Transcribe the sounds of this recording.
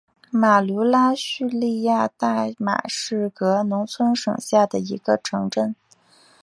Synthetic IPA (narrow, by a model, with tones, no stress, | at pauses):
ma˨˩lu˧˥la˥ɕy˥˧li˥˧ja˥˧t̪a˥˩ma̰˨˩ʂɻ̩˥˩kɤ˧˥nʊ˧˥ŋt͡sʰwə˥nʂɤ˨˩ŋɕja˥˩d̪ə˩i˧˥ɡ̥ə˧ʈ͡ʂʰɤ˧˥ŋʈ͡ʂə˥˩n